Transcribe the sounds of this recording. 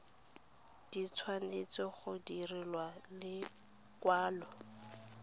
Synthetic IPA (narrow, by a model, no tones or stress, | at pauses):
d̥it͡sʰwanet͡sɔχʊdirilwalɪ | kwaːlɔ